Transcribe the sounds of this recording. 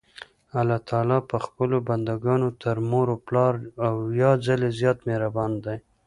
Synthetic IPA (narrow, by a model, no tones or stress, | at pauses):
alɑt̪ʰɑlɑpəxpəloband̪aɡɑnot̪ʰəɾmoɾoplɑɾawjɑzalezjɑt̪meɾabɑnd̪aj